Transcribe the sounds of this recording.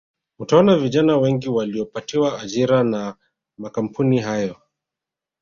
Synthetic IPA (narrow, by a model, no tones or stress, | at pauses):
utaɔnaviʄanawɛŋɡiwaliɔpatiwaːʄiɾana | makam̩puniɦajɔ